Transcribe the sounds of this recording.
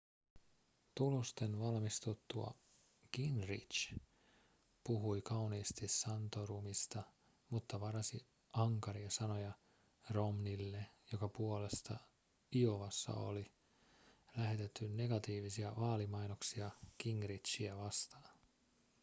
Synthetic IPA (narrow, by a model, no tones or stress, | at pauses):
t̪ulost̪e̞nʋɑlmist̪ut̪ːuɑ̰ | kiŋrḭt͡ʃ | puɦujkɑwniːst̪isːɑnt̪o̞rumist̪ɑ | mut̪ːɑʋɑɾɑsi | ʔɑŋkɑɾiɑsɑno̞jɑ | ro̞mnilːejo̞kɑpuole̞st̪ɑ̰ | ioʋɑsːɑ̰o̞̰li | læɦe̞t̪e̞t̪ːynne̞ɡɑt̪iːʋisiɑʋɑːlimɑjno̞ksiɑkiŋrit̪t͡ʃiæʋɑst̪ɑːn